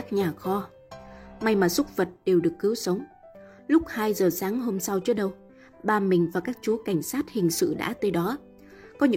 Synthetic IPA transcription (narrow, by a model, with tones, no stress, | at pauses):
aː˦˥k̚ɲaː˨˩xɔ˧ | ma˧jmaː˨˩su˦˥k͡p̚və˨˩t̚ɗe˨˩wɗɨ˨˩əkːɨ˨˦əwsə˨˦wŋ͡m | lʊ˦˥k͡p̚haː˧jzəː˨˩saː˨˦ŋɦo˧msa˧wt͡ɕɨ˨˦˥ɗə˧w | ɓaː˧mï˨˩ŋ̟vaː˨˩kaː˦˥k̚t͡ɕu˨˦ka˧˩jŋ̟saː˦˥t̚hï˨˩ŋ̟sɨ̰˧˨ɗa̰ː˧˥t̪əː˨˦jɗɔ˨˦ | kɔ˨˦ɲɨ̰˧